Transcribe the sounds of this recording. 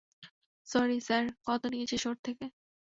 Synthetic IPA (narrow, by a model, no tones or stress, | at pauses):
sɔɾisaɾkɔt̪onijet͡ɕʰiʃoɾt̪ʰeke